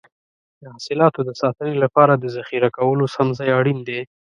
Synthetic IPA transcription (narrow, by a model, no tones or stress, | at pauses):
d̪əhasɪlɑt̪od̪əsɑt̪ənelapɑɾad̪əzaxiɾakawəlosamzɑjaɽind̪e